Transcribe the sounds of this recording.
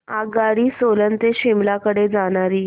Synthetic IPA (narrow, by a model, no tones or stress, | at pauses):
aɡaɽiːsolənt̪eɕimlakəɽed͡zaɽ̃aɾiː